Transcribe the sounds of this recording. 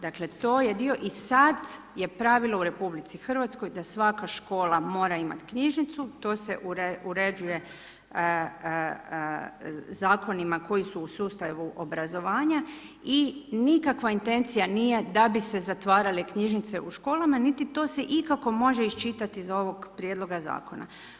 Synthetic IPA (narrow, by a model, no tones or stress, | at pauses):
d̪akle̞t̪o̞ːjed̪io̞ʔisad̪ | je̞pɾaʋilˠouɾe̞publit̪sixr̩ʋat̪sko̞jd̪asʋakaʃko̞ːlˠamo̞ːɾaima̰t̪kɲiʒnit̪sut̪o̞ːse̞ʔuuɾe̞d͡ʒuje̞ | zaːko̞nimako̞jisuːsuːst̪aʋuʔo̞bɾazo̞ʋaːɲa | inikakʋaint̪e̞nt̪sijanije̞d̪abisezat̪ʋaːɾalekɲiʒnit̪se̞ʔuʃko̞ːlamanit̪it̪o̞seʔikako̞mo̞ʒe̞ist͡ʃit̪at̪iizo̞ʋo̞ɡpɾjed̪lo̞ɡaza̰ːkona̰